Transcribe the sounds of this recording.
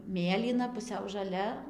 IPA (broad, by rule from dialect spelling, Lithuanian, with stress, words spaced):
ˈmʲeːlʲiːnɐ pʊˈsʲɛʊ ʒɐˈlʲɛ